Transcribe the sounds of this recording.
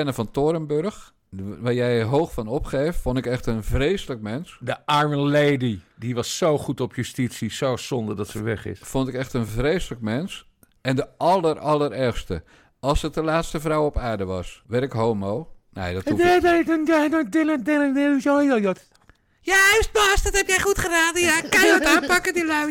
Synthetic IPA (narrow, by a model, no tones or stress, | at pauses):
ɛnəfɔntoɾəmbørx | ʋaːɹjɛjɦoːxfɔnɔpxeːffondɪkɛxtənvreːsələk̚mɛnsdəʔaɹmənleːdidiʋɑsːowχutɔpʰjystitsisowsɔndərdɔtsəʋɛχɪ̰sfontɪkɛxtənvrejsələkmɛns | ɛndəʔɑlˠərɑlˠərɛxstə | ɑlˠsət̚dəlaːtstəvrawɔpaːɹdəʋɑsʋɛrɪkɦowmownejdɔtɛdɛɔnjanɔdɪlədɪlədɪsjojojot | jastbasdɔthɛpjɛjχutχəraːdəjakanɔtaːnpakədilaw